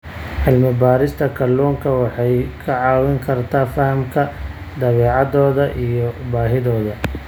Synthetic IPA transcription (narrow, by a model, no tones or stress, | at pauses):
ʕɪlmɪbaːɾɪst̪ʰɐkʰɐlːɔːŋkʰɐwɑħɑjkʰɐʕɑːwɪŋkʰɐrt̪ʰaːfɐhmkʰɐ | d̪ɐβɛːʕɑðɔːðɐʔijɔbaːɦɪðɔːðɐ